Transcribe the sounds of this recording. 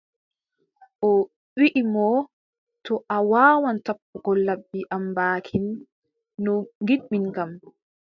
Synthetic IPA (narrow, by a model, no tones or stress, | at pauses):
ʔɔ | wiʔimɔ | tɔʔawaːwantapːuɡɔlːabːiʔambaːkʰinː | ɔŋɡiɗɓiŋkam